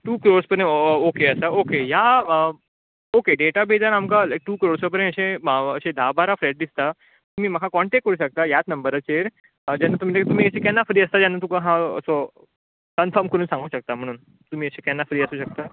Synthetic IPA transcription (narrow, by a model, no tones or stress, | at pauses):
ʈuːkɾoɽspəɾẽokeəsaokeja | okeɖeʈabed͡zanamkalajk̚ʈuːkɾoɽsɔp̬əɾẽəɕẽəɕẽd̪ʱabʱaɾafɾɛʈ̚d̪ist̪a | t̪um̤iːm̤akʰakɔɳʈek̚kəɾuːɕək̚t̪ajat͡snəmbəɾət͡ɕeɾ | d͡ʑanːat̪umit̪ekit̪um̤iːəɕẽkanːafɾiːəst̪ad͡ʑanːat̪̬ukaɦãə̰sɔ | kənfɔɾmkəɾuːnsãŋɡuːɕək̚t̪am̤əɽ̃ːn | t̪um̤iːəɕẽkanːafɾiːəsuːɕək̚t̪a